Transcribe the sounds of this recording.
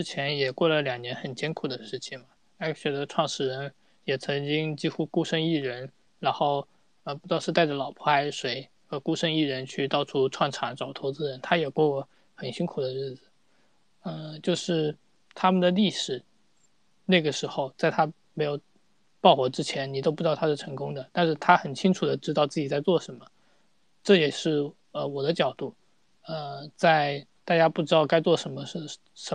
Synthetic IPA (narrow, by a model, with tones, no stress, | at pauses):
ʈ͡ʂɻ̩˥t͡ɕʰjɛ˧˥njɛ˨˩kwɔ˥˩lə˩ljɑ˨˩ŋnjɛ˧˥nxə˨˩nt͡ɕjɛ˥nkʰu˨˩d̪ə˦ʂɻ̩˥˩t͡ɕʰi˨˩ŋmɐ˩ | a˥ɕɥɛ˧˥d̪ə˧ʈ͡ʂʰwɑ˥˩ŋʂɻ̩˥˩ɻə˧˥n | jɛ˨˩t͡sʰɤ˧˥ŋt͡ɕi˥ŋt͡ɕi˥xu˥ku˥ʂə˥˧ŋi˥˩ɻə˧˥n | ɻa˧˥nxo˥˩ʊ | ə˧pu˧˥t̪ɑ˥˧ʂɻ̩˥˧a˥˧ɪə˩lɑ˨˩ʊpʰɔ˥a˧˥ɪʂwe˧˥ɪ | xɤ˧˥ku˥ʂə˥˧ŋi˥˩ɻə˧˥nt͡ɕʰy˥˧t̪ɑ˥˧ʊʈ͡ʂʰu˥ʈ͡ʂʰwɑ˥˩ŋʈ͡ʂʰa˧˥ŋʈ͡ʂɑ˨˩ʊt̪ʰo˧˥ʊt͡sɹ̩˥ɻə˧˥nt̪ʰa˥jɛ˨˩kwɔ˥˧wɔ˧˥ | xə˨˩nɕi˥ŋkʰu˨˩d̪ə˦ɻɻ̩˥˩d͡zɹ̩˨˩ | ə˧t͡ɕjo˥˧ʊʂɻ̩˥˩ | t̪ʰa˥mə˨nd̪ə˩li˥˩ʂɻ̩˨˩ | na˥˩ɡə˩ʂɻ̩˧˥xo˧ʊt͡sa˥˩ɪt̪ʰa˥ | me˧˥ɪjo˨˩ʊ | pɑ˥˩ʊxwɔ˧˥ʈ͡ʂɻ̩˥t͡ɕʰjɛ˧˥nni˨˩t̪o˥ʊp̬u˥˩˧ɑ˥˩t̪ʰa˥˩˥ʈ͡ʂʰɤ˧˥ŋkʊ˥ŋd̪ə˨t̪a˥˧nʂɻ̩˥˩t̪ʰa˥xə˨˩nt͡ɕʰi˥ŋʈ͡ʂʰu˨˩d̪ə˦ʈ͡ʂɻ̩˥t̪ɑ˥˧ʊt͡sɹ̩˥˩t͡ɕi˨˩t͡sa˥˧ɪt͡swɔ˥˩ʂə˧˥nmə˧ | ʈ͡ʂɤ˥˩jɛ˨˩ʂɻ̩˥˩ | ə˧wɔ˨˩d̪ə˦t͡ɕjɑ˨˩ʊt̪u˥˩ | ə˧t͡sa˥˧ɪ | t̪a˥˩t͡ɕja˥pu˥˩ʈ͡ʂɻ̩˥t̪ɑ˥˩ʊka˥ɪt͡swɔ˥˩ʂə˧˥nmə˧ʂ̩˥˩ | ʂə˧˥